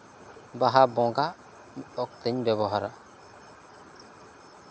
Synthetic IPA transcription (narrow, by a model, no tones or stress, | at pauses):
baɦabɔ̃ɡa | ɔk̚t̪əɲbɛβɔɦaɾa̰